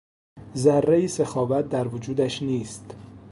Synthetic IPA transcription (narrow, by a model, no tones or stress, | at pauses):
zærːeiːsexɒːvæt̪̚d̪æɾvod͡ʒuːd̪æʃniːst̪